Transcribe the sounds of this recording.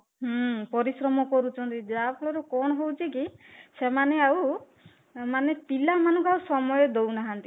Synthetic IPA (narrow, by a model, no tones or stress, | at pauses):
ɦpɔɾisɾɔmɔkɔɾut͡ʃʰɔnt̪id͡ʒapʰɔɭɔɾɔkɔnɔɦowt͡ʃʰekisemaneaw | manepilamanɔŋkuawsɔmɔjɔd̪ownaɦant̪i